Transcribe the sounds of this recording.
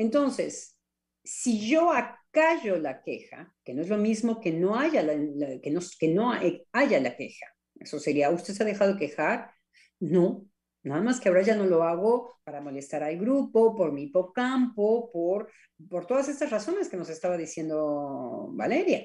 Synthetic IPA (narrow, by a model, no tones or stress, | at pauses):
e̞nt̪o̞nse̞sː | iʝo̞akaʝo̞lake̞̰xa̰kenoezlo̞mizmo̞keno̞aʝalakenoke̞no̞eaʝalake̞̰xḁ | e̞̰so̞seɾiaust̪eseaðe̞xaðoeke̞xaɾ | no̞ | naðamaskeaoɾaʝano̞lo̞aɣo̞paɾamo̞le̞st̪aɾalɡɾupo̞po̞ɾmipo̞kampo̞poɾ | po̞ɾt̪o̞ð̞ase̞st̪asraso̞ne̞ske̞no̞se̞st̪aβaðisje̞nd̪o̞ | βa̰le̞ɾja